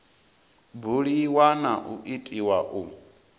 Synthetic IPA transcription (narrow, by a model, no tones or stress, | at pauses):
buɺiwanaʔuʔitʼiwaʔu